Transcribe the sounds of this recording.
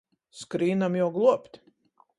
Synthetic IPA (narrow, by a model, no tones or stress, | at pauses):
skɾiːnamjawɡlˠuɔpʲt̪ʲ